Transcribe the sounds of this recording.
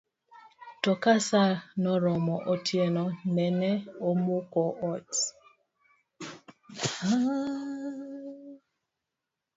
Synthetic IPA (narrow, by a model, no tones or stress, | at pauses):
tɔkasanɔɾɔmɔʔotjenɔnɛnɛomukɔʔɔt | ha